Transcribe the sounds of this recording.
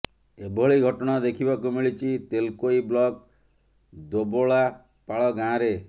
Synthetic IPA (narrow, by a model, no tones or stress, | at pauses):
ebʱɔɭiɡʱɔʈɔɽ̃ad̪ekʰibakumiɭit͡ʃʰit̪elkoiblɔk̚ | d̪oboɭa | paɭɔɡãɾe